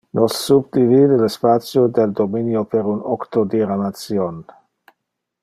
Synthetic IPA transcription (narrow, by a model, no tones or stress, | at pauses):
nosːub̚d̪ivid̪elespat̪sjod̪eld̪ominjopeɾunokt̪od̪iɾamat̪sjon